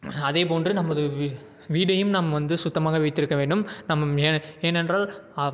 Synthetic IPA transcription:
ɐðeːp̬oːndrɯnɐmːɐðɯ | ʋiːɽɐjɯmnaːmɐʋɐnd̪ɯsʊt̪ːɐmaːɣɐʋɪɪt̪ːɪɾɯkːɐʋeːɳɖɯmnɐmːɐeeːnɛndraːl

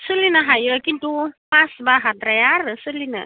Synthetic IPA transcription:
sulinaɦajəkintupasbaɦatrajaɾəsulina̰

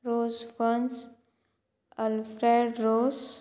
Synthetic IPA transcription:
ɾoːzfəns | əlfɾeɖɾoːz

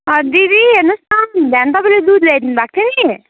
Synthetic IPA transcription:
ɦʌd̪id̪iɦeɾnʌst̪and̪ʱjant̪ʌpãĩled̪ud̪led̪inubak̚t̪ʰeni

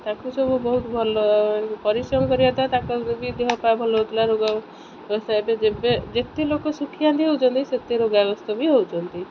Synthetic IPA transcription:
t̪akusɔbubɔɦut̪bʱɔlɔpɔɾisɔmkɔɾiɔt̪at̪akɔbid̪eɦɔpabʱɔlɔɦot̪ʰilaɾoɡa | bɔst̪abed͡ʒebed͡ʒet̪elokɔsukʰijant̪iɦowt͡ʃɔnt̪iset̪eɾoɡaɡɔst̪ɔbiɦowt͡ʃɔnt̪i

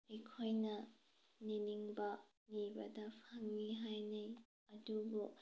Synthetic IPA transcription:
ejkʰojnɐ | niniŋbɐ | nibɐdɐpʰaŋːiɦajnej | ɐdubu

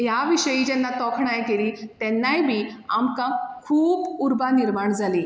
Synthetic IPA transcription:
jaʋiɕəjiːd͡ʑɛnːat̪ɔkʰɳajkeliːt̪ɛnːajbʱiːa̰mkakʰuːpuɾbaniɾmaɳd͡zʱaliː

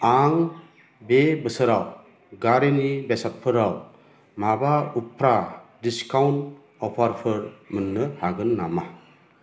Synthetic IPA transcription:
aŋ | bebɯsɯɾaw | ɡaɾenibesat̚pʰɯɾaw | mabaupʰɾadiskawn | ɔpʰaɾpʰɯɾmɯnːɯhaɡɯnːama

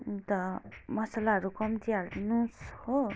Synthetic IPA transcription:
t̪ʌmʌsalaɦʌɾukʌmt̪iaɾd̪inũsho

